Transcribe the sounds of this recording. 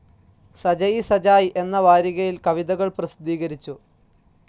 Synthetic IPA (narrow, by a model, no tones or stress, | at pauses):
sɐd͡ʑɐjisɐd͡ʑaːjʔe̞nːɐʋaːɾiɣɐjilkɐʋid̪ɐɣɐɭprɐsid̪iːɣɐɾit͡ɕːu